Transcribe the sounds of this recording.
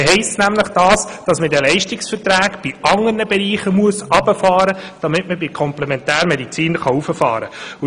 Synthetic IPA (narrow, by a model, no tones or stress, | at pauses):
ɦɛɪst͡snæmləχd̥ɑːsd̥ɑsmədɛlɛɪʃtɪksfərtɾæːkb̥iʔɑŋːərnəbɛɾiːχəmuəsɑb̥əfɑːɾəd̥ɑmɪtməbikʰɔmplɛmɛntæːɾmɛdit͡siːnχɑufəfɑ̰ːɾəu